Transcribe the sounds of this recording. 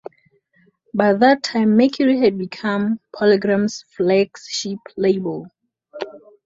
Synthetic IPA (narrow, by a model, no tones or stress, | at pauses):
baɪðətʰːãɪ̃mːekʰəɹihɨd̚bikʰʌ̃mpʰɔliɡɹãmsflɛksʃipleɪbəlˠ